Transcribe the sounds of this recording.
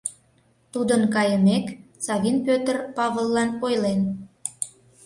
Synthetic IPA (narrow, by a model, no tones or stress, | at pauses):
t̪ud̪ənkɑjəmek | t͡sɑβinpøt̪ərpɑβəlˠːɑnojlen